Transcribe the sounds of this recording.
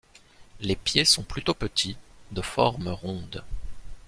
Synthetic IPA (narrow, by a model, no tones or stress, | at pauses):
lepjesɔ̃plyt̪opət̪ʰid̪əfɔʁməʁɔ̃d̪